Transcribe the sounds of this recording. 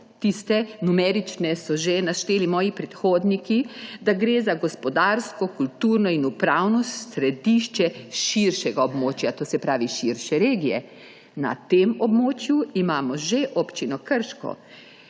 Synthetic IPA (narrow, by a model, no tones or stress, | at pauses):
t̪ist̪ɛnumɛɾit͡ʃnɛsɔʒenaʃt̪eːlimɔːjipɾɛt̪xoːd̪nikid̪aɡɾeːzaɡɔspɔd̪aːɾskɔkult̪uːɾnɔinupɾawnɔɾɛd̪iʃt͡ʃɛʃiɾʃɛɡaɔbmoːt͡ʃjat̪oːsɛpɾaːʋiʃiɾʃɛɾeːɡijɛ̰ | na̰t̪emɔbmoːt͡ʃjuimaːmɔʒeʔɔpt͡ʃinɔkəɾʃkɔ̰